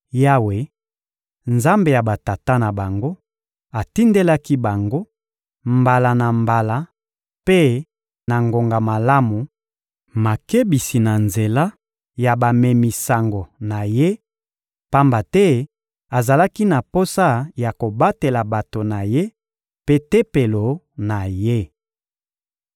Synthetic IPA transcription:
ja˦we˨ | nza˦mbe˨ja˨ba˨ta˨ta˦na˨ba˨ŋɡo˦ | a˨ti˦nde˦la˦ki˦ba˨ŋɡo˦ | mba˨la˨na˨mba˨la˨ | pe˦ | na˨ŋɡo˨ŋɡa˨ma˨la˦mu˨ | ma˨ke˦bi˨si˨na˨nze˨la˦ | ja˨ba˨mɛ˨mi˨sa˨ŋɡo˨na˨je˦ | pa˦mba˨tɛ˦ | a˨za˨la˦ki˦na˨po˦sa˦ja˨ko˨ba˦te˨la˨ba˨to˨na˨je˦ | pe˦te˦pe˨lo˨ | na˨je˦

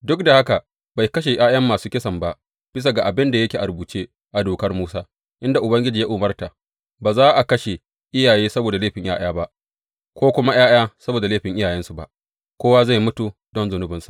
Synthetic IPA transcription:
dʊ˦k̚da˨ha˦ka˨ | ba˨jkɐ˦ʃ̬e˨j̰ʔaː˦jɐ˦mːaː˨suː˦kʲɪ˦sɐ˨mba˦ʔ | b̥ɪ˦s̬a˨ɡa˨ʔa˨bɪ˦nda˨jɐ˦kʲeː˨ʔa˨buː˨t͡ʃe˦ | ʔa˨doː˨kɐ˦rmuː˦saː˦ | ʔɪ˦nda˨ʔʊ˨bɐ˦ŋɡʲɪ˦d͡ʒiː˨ja˦ʔʊ˨mɐ˦rta˨ | baː˨zaː˦ʔa˨kɐ˦ʃe˨ | ʔɪ˦jaː˨jeː˦sɐ˦boː˨da˨leː˦ɸɪ˨ɲjaː˦j̰aː˦ba˦ʔ | kʷoː˦kʷʊ˦ma˦j̰aː˦jaː˦sɐ˦boː˨da˨leː˦ɸɪ˨ŋʔɪ˦jaː˨jɛ˦nsu˨ba̰˦ʔ | kʷoː˦wa˦za˦˨jmʊ˦tu˨dɔ˦nzʊ˨nʊ˦bɪ˦nsu̥˨ʔ

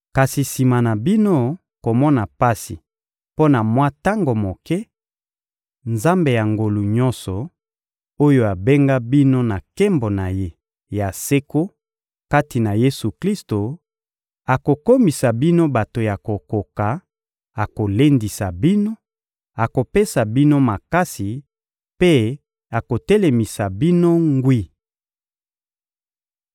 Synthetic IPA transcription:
ka˨si˨si˨ma˨na˨bi˦no˦ | ko˨mɔ˦na˨pa˦si˨ | po˦na˨mwa˦ta˦ŋɡo˨mo˨kɛ˦ | nza˦mbe˨ja˨ŋɡo˨lu˨ɲɔ̃˦nsɔ˨ | o˦jo˦a˨be˦ŋɡa˦bi˦no˦na˨kɛ˦mbo˨na˨je˦ | ja˨se˦ko˦ | ka˦ti˨na˨je˦su˨kli˦sto˨ | a˨ko˨ko˦mi˨sa˨bi˦no˦ba˨to˨ja˨ko˨ko˨ka˨ | a˨ko˨le˦ndi˨sa˨bi˦no˦ | a˨ko˨pe˦sa˨bi˦no˦ma˨ka˦si˨ | pe˦ | a˨ko˨tɛ˦le˨mi˨sa˨bi˦no˦ŋɡwi˦

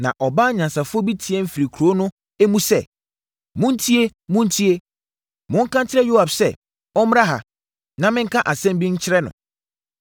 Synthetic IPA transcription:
nã˨ʔɔ˨ba˦ɲã˨nsa˨fʊ˦ɔ˦bi˦tʰi˨e˦m̩˦fi˨ɾi˨kʰu˨ɾo˦nʊ̃˦ | e˦mũ˦sɛ˦˨ | mʊ̃˦n˦tʰi˦e˦mʊ̃˦n̩˦tʰi˦e˦ | mʊ̃˦ŋ̩˦kʰã˦t͡ɕʰɪ˦ɾɛ˦jo˦a˨bsɛ˦˨ | ɔ˦m˦a˦ɦa̰˨ | nã˨mɪ̃˦ŋ̩˦kʰa˦ʔa˨sɛ̃˦m˦bi˦ɲ̩˦t͡ɕʰɪ˦ɾɛ˦nʊ̰̃˨

